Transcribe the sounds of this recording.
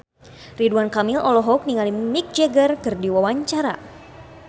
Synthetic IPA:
riduankamilɔlɔɦɔk̚niŋalimik̚d͡ʒɛɡərkɨrdiwawaɲt͡ʃaɾa̰

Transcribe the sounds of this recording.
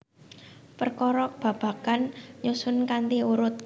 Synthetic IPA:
pərkɔɾɔk̚b̥ä̤b̥ä̤kanɲusʊnkant̪iuɾʊt̪̚

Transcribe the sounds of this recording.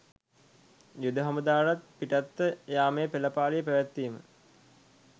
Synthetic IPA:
jud̪əɦaməd̪aːɾat̪̚piʈat̪ːəjaːmejpeləpaːlijəpəʋæt̪ːimə̰

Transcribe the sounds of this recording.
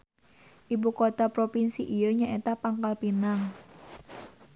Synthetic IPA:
ʔibukot̪apɾopinsiʔijəɲaʔet̪apaŋkalpinaŋ

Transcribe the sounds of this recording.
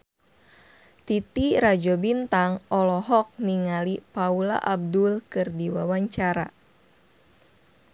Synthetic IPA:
t̪it̪iɾad͡ʒɔbint̪aŋɔlɔɦɔk̚niŋalipaula̰ʔab̚dulkɨrdiwawaɲt͡ʃaɾa

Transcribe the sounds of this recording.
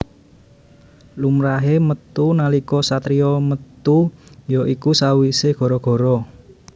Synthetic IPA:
lumɾaɦemət̪unalikɔsat̪ɾiɔmət̪ujɔʔikusawiseɡ̥ɔ̤ɾɔɡ̥ɔ̤ɾɔ

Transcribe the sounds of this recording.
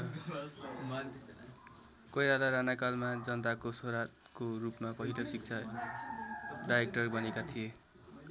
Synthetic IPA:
kʌjlalaɾanakalmad͡zʌnt̪akosoɾa | korupmapʌɦilosik̚t͡sʰa | ɖajek̚ʈʌrbʌnekat̪ʰije

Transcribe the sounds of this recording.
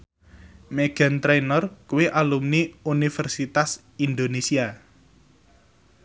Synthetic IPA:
meɡ̥a̤nt̪ɾenɔrkuwiʔalumniunifɛrsit̪as | ind̪onesia

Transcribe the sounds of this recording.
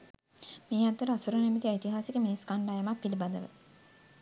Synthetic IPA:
miːat̪ːəɾəasuɾənemit̪iait̪iɦaːsikəminiskaɳɖaːjemakpilibad̪əʋə̰

